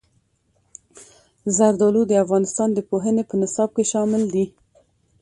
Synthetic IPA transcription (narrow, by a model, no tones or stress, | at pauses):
zaɾd̪ɑlud̪əafɣɑnɪst̪ɑnd̪əpoɦənepənɪsɑb̚keʃɑmɪld̪i